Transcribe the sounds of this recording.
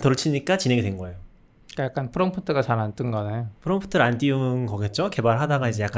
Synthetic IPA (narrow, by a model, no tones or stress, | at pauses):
tʌt͡ɕʰimɲik͈at͡ɕinɦe̞ŋidwe̞nɡʌejo | k͈ajak͈anpʰɯɾʌmpʰɯtʰɯɡat͡ɕanant͈ɯnɡʌnejopʰɯɾʌmpʰɯ̥tʰɯɾandiumɯnkʌɡe̞t̚t͡ɕ͈oke̞baɭɦadaɡaid͡ʑejak͈